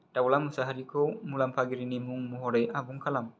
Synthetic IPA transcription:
tawlamusaɦaɾikomulampaɡiɾinimuŋmuɦɔɾejʔabuŋkalam

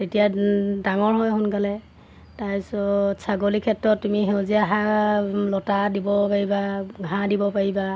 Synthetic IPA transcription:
tetijadaŋɔɹɦɔjɦʊnkalɛ | tajsɔsʰaɡolikʰɛtɹɔtːumiɦewziaɦalɔtadibɔpaɹibaɡʱãdibɔpaɹiba

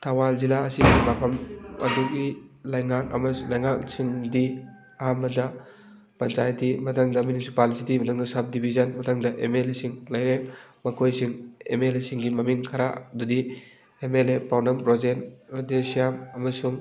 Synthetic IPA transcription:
tʰawalzilaːsimapʰɐmɐ̰dukilajŋakɐ̰mɐlajŋaksiŋdi | ɐɦamɐdɐ | pɐnt͡ʃajtːimɐtʰaŋdɐminisupalsitimɐtʰaŋdɐsap̚dibʱizɐnmɐtʰaŋdɐʔemelesiŋlɐjɾemɐkʰojsiŋḛmelesiŋɡimɐmiŋkʰaɾa̰dudi | emelepawnɐmpɾɔzenɾdesijamɐmɐsuŋ

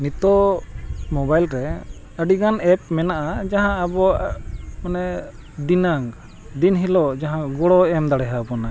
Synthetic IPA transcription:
nit̪ɔ | mɔbajlɾɛ | əɖiɡanɛp̚mɛnaʔad͡ʒaɦãːbɔ | manɛ | d̪inaŋ | d̪inɦilɔd͡ʒaɦãɡɔɽɔɛmd̪aɽɛɦabɔna

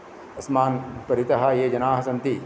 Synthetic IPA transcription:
ɐsmaːnpɐɾit̪ɐɦɐjed͡ʒɐnaːɦɐsɐnt̪i

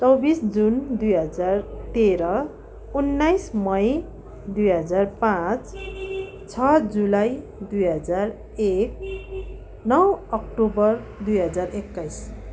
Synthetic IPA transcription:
t͡sʌwbisd͡zund̪ujɦʌd͡zart̪eɾʌ | unːajsmʌj | d̪ujɦʌd͡zarpãt͡s | t͡sʰʌd͡zulaj | d̪ujɦʌd͡zar | ek̚ | nʌwʌk̚ʈobʌr | d̪ujɦʌd͡zarekːajs

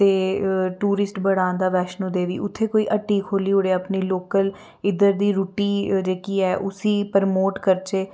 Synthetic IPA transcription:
t̪eːʈuːɾɪsʈbəɽãːnd̪aːʋɛːʃnũːd̪eːʋḭːʔʊt̪ʰːeːkoːiːʔəʈːiːkʰoːliːɦʊɽeːəpniːloːkəl | ɪd̪əɾd̪iːɾuːʈiːd͡ʒeːkiːɛːʔʊsiːpəɾmoːʈkəɾt͡ʃeː

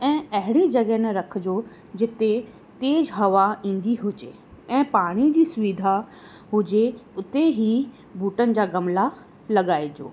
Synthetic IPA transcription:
ɛ̃ːɐɦɪɽ̃id͡ʑɐɡəɦnɐɾɐkʰd͡ʑoː | d͡ʑɪt̪e | t̪eːd͡ʑɦɐʋaĩːn̆d̪iɦʊd͡ʑe | ɛ̃ːpaːɽ̃id͡ʑiːsʊʋɪd̪ʱa | ɦʊd͡ʑeʊt̪eɦi | buːʈənɪ̆d͡ʑaːɡɐmla | lɐɡaːid͡ʑo̰ː

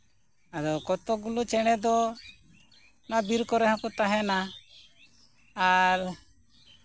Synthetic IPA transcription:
ad̪ɔkɔt̪ɔɡulut͡ʃɛɽ̃ɛd̪ɔ | nabiɾkɔɾɛɦãkɔt̪aɦɛna | aɾ

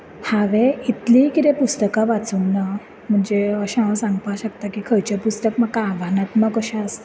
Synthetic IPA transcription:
haʋeit̪likit̪epust̪əkãʋat͡sunna | m̤əɳd͡zeəɕãasãŋɡpaɕəkt̪akikʰəjt͡ɕapust̪əkmakaʋʱanat̪makəɕas

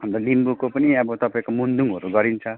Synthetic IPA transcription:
ɦʌnd̪ʌlimbukopʌniʌbʌt̪ʌpaĩkomund̪uŋɦʌɾuɡʌɾint͡sʰʌ

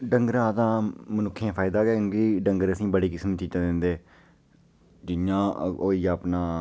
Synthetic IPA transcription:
ɖəŋɡəɾãːt̪ãːmənʊkʰːãːpʰaːɪd̪aːɡɛːɡiːɖəŋɡəɾəsĩːbəɽiːkɪsmt͡ʃiːt̪ãːd̪ɪnd̪eː | d͡ʒɪjãːoːiːapnaː

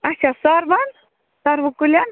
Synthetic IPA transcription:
ɐt͡ʃʰasaɾʋan | saɾʋukulʲan

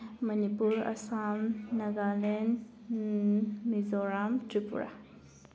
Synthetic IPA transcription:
mɐnipuɾɐ̰samnɐɡalen | mizɔɾamtɾipṵɾa̰

